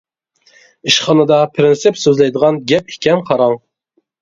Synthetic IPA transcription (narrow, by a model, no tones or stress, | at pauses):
iʃχɑnɨd̪ɑpʰɾɪnsɪpsøzlɛjd̪əʁɑnɡʲɛp̚i̥kʲʰɛmqʰɑɾɑŋ